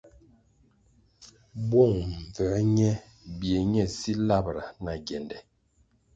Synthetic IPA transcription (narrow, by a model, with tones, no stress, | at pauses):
bɔ˦˨ŋɱ˨vɛ˨˦ɲɛ˦ | bje˨ɲɛ˦˨si˦la˦˨bɾa˨na˨ɡɛ˨ndɛ˨